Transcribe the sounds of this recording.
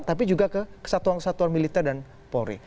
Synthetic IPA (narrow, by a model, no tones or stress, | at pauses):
t̪ap̬id͡ʒuɡakəkə̥sat̪uankəsat̪uanmilit̪ɛrdan | poɾḭ